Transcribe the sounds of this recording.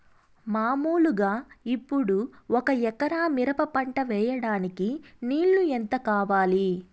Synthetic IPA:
maːmuːluɡaːipːuɽuɔkɐɛkɐɾaːmiɾɐpɐpɐɳʈɐʋɛːjɐɽaːnikiniːɭːuent̪ɐkaːʋaːli

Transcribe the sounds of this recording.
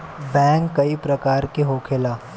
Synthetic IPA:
bɛ̃ːŋkːɐipɾɐkaːɾkeɦoːkʰeːlaː

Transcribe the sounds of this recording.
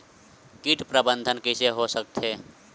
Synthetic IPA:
kiʈpɾəbənd̪ʱənkiseɦosək̚t̪ʰe

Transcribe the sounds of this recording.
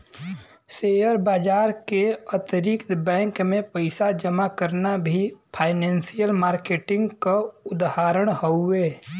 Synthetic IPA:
seːjəɾbaːd͡ʒaːɾkeət̪ɾɪkt̪bɛ̃ːŋkmẽpəɪsad͡ʒəmakəɾnabʱipʰaːɪnɛ̃ːnsijəlmaːɾkeːʈɪ̃ŋɡkaʊd̪ɦaːɾəɽ̃həʊeː

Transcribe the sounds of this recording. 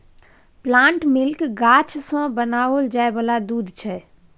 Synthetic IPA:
plãɳʈmilkɡat͡ʃʰsə̃bənaold͡ʒaebəlad̪ud̪ʱt͡ʃʰɛ

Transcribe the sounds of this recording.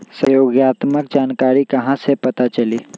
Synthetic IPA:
səjoːɡjaːt̪mək̚d͡ʒaːnkaːɾikɐɦãsepɐt̪at͡ʃɐliː

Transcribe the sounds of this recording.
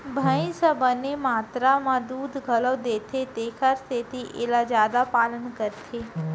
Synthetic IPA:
bʱəĩsəbʱənemaːt̪ɾamãd̪uːd̪ʱɡʱələʋd̪et̪ʰet̪ekʰaɾst̪ʰet̪iʔḛlad͡ʒjaːd̪apalənkəɾt̪ʰe

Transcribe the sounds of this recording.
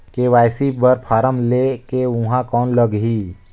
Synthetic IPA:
keʋaːjsibəɾpʰaːɾəmlekeʊɦãkɔːnləɡɦi

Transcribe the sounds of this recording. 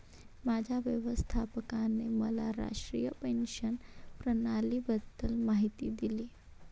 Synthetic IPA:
maːd͡ʒʱaʋjəʋəst̪ʰapəkanːemə̰la̰ɾa̰ʂʈɾijəpenʃənpɾənalibət̪ːəlmaɦit̪id̪iliː

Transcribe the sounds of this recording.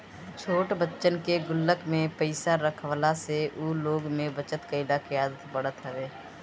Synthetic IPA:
t͡ʃʰoːʈbətːʃənkeɡʊlːəkmẽpəɪsaɾəkʰʋəlaseʔuːloːɡmẽbət͡ʃət̪kəɪɖ̪akijaːd̪ət̪pəɽət̪ɦɛʋeː

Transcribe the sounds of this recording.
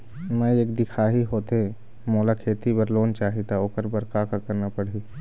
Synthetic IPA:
mə̃eːkd̪ɪkʰaɦiɦot̪eẽ | moːlakʰeːt̪ipəɾloːnt͡ʃaːɦit̪aoːkəɾbəɾkakakəɾnapəɽi

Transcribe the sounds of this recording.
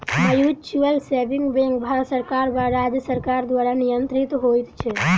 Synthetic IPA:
məjut͡ʃuəlseʋiŋɡbɛ̃ŋɡbʱaɾət̪səɾkaɾʋaɾad͡ʒəsəɾkaɾd̪ʋaɾanijənt̪ɾit̪ɦojt̪t͡ʃʰe

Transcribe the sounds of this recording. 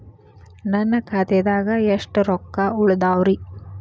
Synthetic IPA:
nɐnːɐkʰat̪ɛd̪aːɡɐeʂʈɾɔkːauɭɐd̪aːwɾi

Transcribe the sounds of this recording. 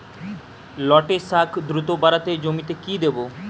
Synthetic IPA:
lɔʈesakʰd̪ɾut̪obaɾat̪ed͡ʑomit̪ekid̪ebo

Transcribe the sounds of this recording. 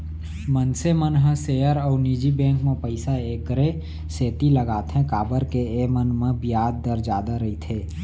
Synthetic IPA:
mənsemənɦə̃sejəɾɔːɾnid͡ʒibɛ̃ːŋkmẽpəɪsaeːkːəɾe | seːt̪iləɡaːt̪ɦɛ̃kaːbəɾkeemənmẽbijaːd̪̚ːəɾd͡ʒaːd̪aɾəɦit̪ʰeː

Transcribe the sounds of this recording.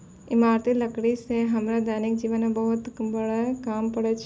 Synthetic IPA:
ɪmaːɾt̪ilɐkɽiseɦɐmɾad̪aːnɪk̚d͡ʒiːʋənɦẽbɐɦʊt̪bɐɽakaːmpɐɽet͡ʃʰ

